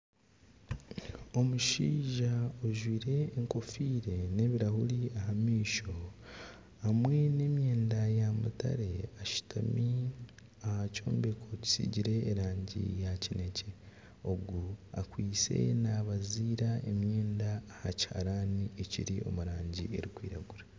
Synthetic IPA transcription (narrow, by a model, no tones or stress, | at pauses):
o̞muʃiːʒaoʒwiːɾe̞ːŋko̞fiːɾe̞ne̞ːβiɾahuɾiaɦamiːʃo̞ | amwe̞ne̞ːmje̞ːndajamṵta̰ɾe̞aʃi̥tʰa̰mi | ahaco̞̰ːmbekʰo̞ci̥sḭɟiɾe̞ːɾaːɲɟḭjacine̞ce̞ | o̞ɡua̰kwiːse̞̰naβaziːɾae̞mje̞ːndaːhacha̰ɾaːnieciɾio̞̰muɾaːɲɟḭe̞̰ɾikwḭːɾa̰ɡuɾa